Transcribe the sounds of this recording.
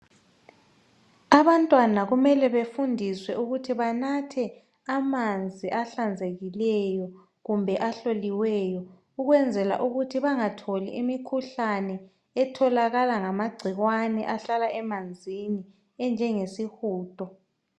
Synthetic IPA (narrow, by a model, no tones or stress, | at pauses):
aβantʼwanaɣumɛlɛβefundʱiswɛʔuɣutʰiβanatʰɛ | amand͡zʱiʔaɬand͡zʱeɣilɛjɔ | ɣumbʱɛʔaɬoliwɛjɔ | uɣwɛnd͡zʱɛla̰ʔuɣutʰiβaŋatʰolḭimikʰuɬanɛː | tʰɔlaɣalaŋamaɡ͡ǀʱiɣwanɛ̰ʔaɬalaʔɛmand͡zʱini | ɛnd͡ʒʱɛŋesixuːtʼɔ